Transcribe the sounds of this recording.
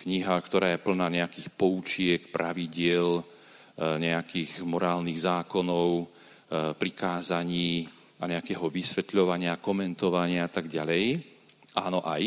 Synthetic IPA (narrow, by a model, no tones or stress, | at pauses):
kɲiɦakt̪ɔɾaːjɛpl̩naːɲɛakiːxpɔut͡ʃɪɛkpɾʔaʋiɟɪɛl | ɲɛakiːɣmɔɾaːlniɣzaːkɔnɔʊ | pɾikaːzaɲiː | aɲɛakɛːɦɔʋisʋɛt̪ʎɔʋaɲɪakɔmɛnt̪ɔʋaɲɪaat̪aɡɟalɛj | ʔaːnɔʔaj